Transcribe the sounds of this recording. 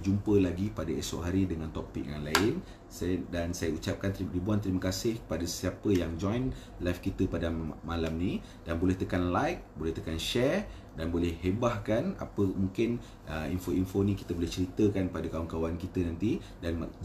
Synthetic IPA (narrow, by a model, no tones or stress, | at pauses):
d͡ʒumpəlaɡipadaḛsɔ̰ʔɦaɾidəŋãnt̪ɔpik̚jaŋnlaɪn | sadansajəut͡ʃap̚kant̪idibuant̪əɾimakasɪhkə̥padassiapəjaŋd͡ʒɔjn | lafkit̪əpadamːalamnĩ | danbolɛht̪əkanlajk̚bolɛht̪əkanʃɛr | danbolɛhːebahkana̰pəmuŋkɪn | əḭnfoinfonĩki̥t̪əbolɛht͡ʃəɾit̪əkanpadakauŋkawankit̪ənant̪i | dan